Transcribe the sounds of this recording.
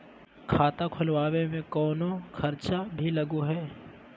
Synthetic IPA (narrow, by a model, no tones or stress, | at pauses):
kʰaːt̪akʰʊlʋaːwemẽkɔːnõkʰɐɾt͡ʃabʱilɐɡuɦɛː